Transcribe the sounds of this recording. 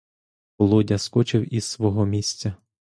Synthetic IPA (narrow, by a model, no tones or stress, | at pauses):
ɔlˠɔdʲɐskɔt͡ʃɪwizsʋɔɦɔmʲisʲt͡sʲɐ